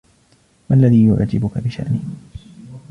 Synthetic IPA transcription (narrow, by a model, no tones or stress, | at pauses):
maʔlːaðiːjʊʕa̰d͡ʒːɪbʊkabɪʃa̰ʔnɪh